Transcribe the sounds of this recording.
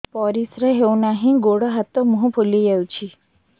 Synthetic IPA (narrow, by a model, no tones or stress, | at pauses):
pɔɾisɾeɦewnaɦĩɡoɽɔɦat̪ɔmuɦũpʰulijewt͡ʃʰi